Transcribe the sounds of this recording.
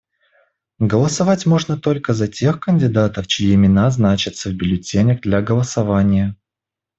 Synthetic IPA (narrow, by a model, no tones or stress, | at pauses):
ɡəlˠəsɐvatʲmo̞ʐnət̪o̞lʲkəzɐtʲe̞xkənʲdʲɪd̪at̪əft͡ɕɪjiɪmʲɪnaznat͡ɕɪt̪səvbʲɪlʲɪtʲenʲəɡd̪lʲaɡəlˠəsɐvanʲɪjə